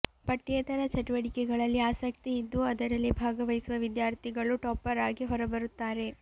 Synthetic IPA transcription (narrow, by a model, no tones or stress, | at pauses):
pɐʈːet̪ɐɾɐt͡ʃɐʈuʋɐʈikɛɡɐɭɐlːiaːsɐkt̪iːd̪ːuɐd̪ɐɾɐlːibʱaːɡɐʋɐjisuʋɐʋid̪jaːɾt̪ʰiɡɐɭuʈɔːpːɐɾaːɡiɦɔɾɐbɐɾut̪ːaːɾe̞